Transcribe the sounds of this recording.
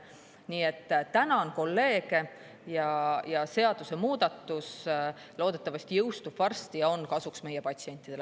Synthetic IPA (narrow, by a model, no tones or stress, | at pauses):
niːe̞t̪ːt̪ːænɑonko̞lːe̞ːɡe | jɑjɑse̞ɑd̪̥use̞muːd̪̥ɑt̪ːus | lo̞ːd̪̥e̞t̪ːˑɑvɑsʲt̪ijɤwst̪ub̥vɑrst̪ijɑo̞nkɑsuksme̞jepɑt̪sie̞nʲt̪ːˑid̪̥el